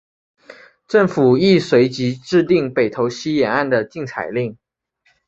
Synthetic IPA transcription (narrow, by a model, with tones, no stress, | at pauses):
ʈ͡ʂɤ˥˩ŋfu˨˩i˥˩swe˧˥ɪt͡ɕi˧˥ʈ͡ʂɻ̩˥˧t̪i˥˩ŋpe˨˩ɪt̪ʰo˧˥ʊɕi˥jɛ˨˩na˥˩nd̪ə˨t͡ɕi˥˩ŋt͡sʰa̰˨˩ɪli˥˩ŋ